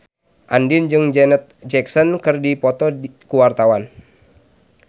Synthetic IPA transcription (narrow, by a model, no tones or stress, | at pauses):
ʔandind͡ʒɨŋd͡ʒɛnət̪̚d͡ʒɛksɔnkɨrdipɔt̪ɔkuwart̪awan